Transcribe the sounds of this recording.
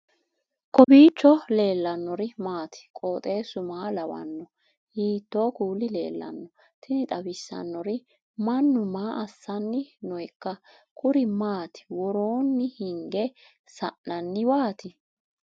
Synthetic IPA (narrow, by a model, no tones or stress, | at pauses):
kʼɔbiːt͡ʃːɔle̞ːlːɐnːɔɾɪmaːt̪ɪ̥kʼoːt̪ʼe̞ːsʊmaːlɐwɐ̰nːɔ | hiːt̪ːo̞ːkuːlɪle̞̰ːlːɐ̰nːɔ | t̪ʰɪnɪt̪ʼɐbɪsːɐ̰nːɔɾɪ | mɐnːʊmaːʔɐsːɐnːɪnɔjkːɐ | kʰʊɾɪmaːt̪ɪ̥wɔɾoːnːɪhɪŋɡɛ | sɐʔnɐnːɪwaːt̪ɪ